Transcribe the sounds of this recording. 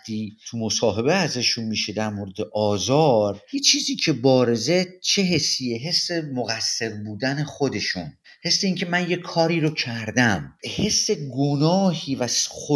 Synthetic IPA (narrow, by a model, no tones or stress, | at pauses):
t̪ʰiːt̪ʰumo̞sɒːɦe̞be̞æzeʃunmiːʃe̞d̪æɾmoːɾed̪eʔɒːzɒːɾhit͡ʃʰiːziːcʰe̞bɒːɾe̞ze̞t͡ʃʰe̞ɦe̞sːijeɦe̞sːe̞moɣæsːe̞ɾbuːd̪æne̞χod̪e̞ʃṵn | he̞sːeiːŋcʰe̞mænje̞kʰɒːɾiːɾocʰæɾd̪æmhe̞sːe̞ɡonɒːhiːvæsχo